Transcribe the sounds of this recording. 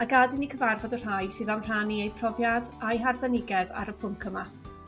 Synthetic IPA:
aɡadɪnikʰəvarvɔdər̥ajsɨːðamr̥aniejpʰr̥ɔvjadajɦarbɛnɪɡɛða̰ɾəpʰʊmkʰəma

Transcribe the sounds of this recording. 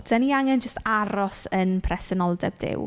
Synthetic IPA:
d̥əniaŋɛnd͡ʒəstaɾɔsənpʰrɛsɛnɔlˠdɛbdɪ̰w

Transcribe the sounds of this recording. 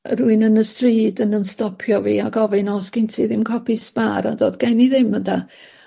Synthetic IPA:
ruɨnənəstriːdənənstɔpʰjɔvḭːaɡɔvɨnɔsɡ̥ɪntʰiðɪmkʰɔpʰispaɾa̰doːdɡ̥aniðɪmənda

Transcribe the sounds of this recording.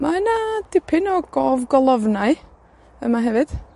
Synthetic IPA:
maənad̥ɪpʰɪnɔɡ̥ɔːvɡɔlˠɔvnaj | əmaɦɛvɨd̥

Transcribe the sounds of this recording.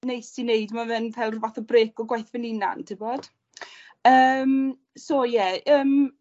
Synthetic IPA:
nejsinejdmavɛnvʰɛlˠrvaθɔbreːkɔɡwajθvɪnɪna̰ntʰɪbɔd̥ | əːm | soːjɛəːm

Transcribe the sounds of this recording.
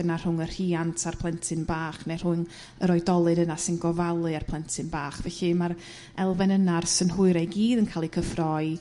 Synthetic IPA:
ənar̥ʊŋər̥iːantʰarpʰlˠɛntʰɨnbaːχner̥ʊn | əɾɔɨdɔlˠɨdənasɪnɡɔvalˠɨarpʰlˠɛntʰɨnbaːχvɛɬɨmaɾ | ɛlˠvɛnənarsənhʊɨɾɛɡiːdənkʰaːlˠikʰəfrɔɨ

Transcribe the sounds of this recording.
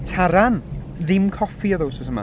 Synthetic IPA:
tʰaɾan | ðɪmkʰɔfiɔðowsɔsəma̰

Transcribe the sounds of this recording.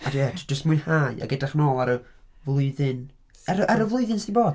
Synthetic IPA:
adjɛdʰd͡ʒəstmʊɨnhaːɨa̰ɡɛdaχnoːlˠaɾəvlˠʊɨðɨn | aɾʔaɾəvlˠʊɨðɨnsdiboːd̥

